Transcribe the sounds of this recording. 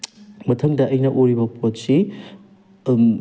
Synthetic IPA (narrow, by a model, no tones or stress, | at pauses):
mɐtʰɐŋdɐʔːjnɐʔoɾibɐpʰot̚si